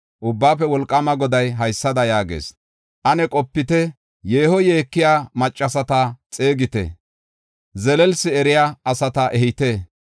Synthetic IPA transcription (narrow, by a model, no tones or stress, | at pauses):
ʔʊbːaːfɛwɔlkʼːɐmɐɡɔd̪ɐjɦɐjsːɐd̪ɐjaːɡḛːs | ʔɐnɛkʼɔpːɪt̪ɛ | jeːhɔje̞ːkːɪjaːmɐt͡ʃʼːɐsɐt̪at͡sʼeːɡɪt̪ɛ̰ | zɛlɛlsɪɛɾɪjaːɐsɐt̪ɐʔɛɦɪt̪e